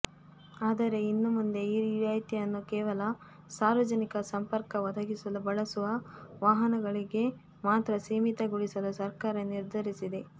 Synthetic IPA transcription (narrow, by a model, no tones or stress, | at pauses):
aːd̪ɐɾe̞inːumund̪e̞iɾiɾaːjt̪ijɐnːukɛːʋɐlɐ | saːɾʋɐd͡ʒɐnikɐsɐmpɐɾkɐʋɐd̪ʱɐɡisɐlubɐɭɐsuʋɐʋaːɦɐnɐɡɐɭiɡe̞ | maːt̪ɾɐsiːmit̪ɐɡuɽisɐlusɐɾkaːɾɐniɾd̪ʱɐɾisid̪e̞